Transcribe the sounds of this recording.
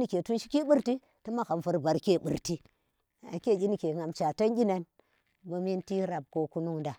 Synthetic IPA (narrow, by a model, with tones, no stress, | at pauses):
ni˨kʲe˨tu˦nʃi˦ki˦ɓu˦ɾti˦ | ta˦ma˦ka˨m˨fu˨ɾba˨ɾkʲe˦˨bṵ˨ɾti˦ | a̰˨ke˦˨ɡʲi˦ni˨kʲe˨ŋa˨mt͡ʃa˨ta˦nɡʲi˦na˨n | bo˨mi˦nti˦ɾa˨b̚ko˦ku˦nu˦ŋda˨